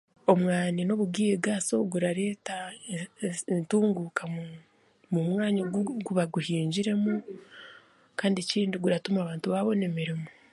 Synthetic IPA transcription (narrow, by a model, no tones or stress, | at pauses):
o̞mwaːnino̞βuɡiːjeɡaːso̞̰ɡuɾaɾe̞ːta | ntuːŋɡukʰam | mumwaːɲoɡuβaɡuhiːɲɟiɾe̞mu | kaːndeciːndiɡuɾatumaːβaːntuβaβo̞ne̞miɾimo